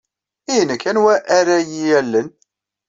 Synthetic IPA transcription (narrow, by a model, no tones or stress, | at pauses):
ijənəkːænwæʔːɾæjijælːən